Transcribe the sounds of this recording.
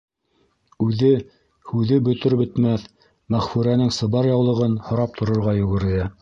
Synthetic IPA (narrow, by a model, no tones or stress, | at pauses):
ʉðɘ | hʉðɘbɵ̆t̪ɵɾbɵ̆t̪mæθ | mæχfʉɾænɘŋsɤ̆βɑɾjɑwlˠɤ̆ʁɤnhŏɾɑp̚t̪ʰŏɾŏɾʁɑjŏɣɘ̆ɾɘ̆jæ